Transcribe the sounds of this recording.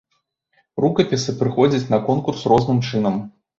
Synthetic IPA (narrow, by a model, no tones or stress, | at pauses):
rukɐpʲisɨpɾɨxɔd͡zʲɐt͡sʲnɐkɔnkursrɔznɨmt͡ʂɨnɐm